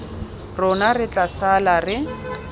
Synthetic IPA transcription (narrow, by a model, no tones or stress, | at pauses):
rʊnarɪt͡ɬʼasalarɪ